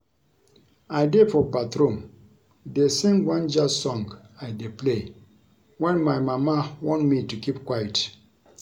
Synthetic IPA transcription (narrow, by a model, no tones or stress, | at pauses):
ajdefɔbatɾõm | desĩŋɡwãnd͡ʒasɔ̃ŋɡ | ajdeple | wɛ̃nmajmamawɔ̃ntmitukip̚kwajət